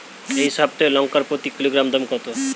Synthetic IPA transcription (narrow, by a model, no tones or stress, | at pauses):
eɦisɔb̚t̪ɔjlɔŋkaɾpɾot̪ikiloɡɾamd̪ɔmkɔt̪o